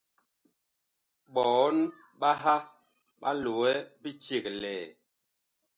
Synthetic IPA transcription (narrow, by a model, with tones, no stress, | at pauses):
ɓɔ˨˦n | ɓa˦ɦa˦ | ɓa̰˦lo˨ɛ˦bi˦t͡ʃe˨klɛː˨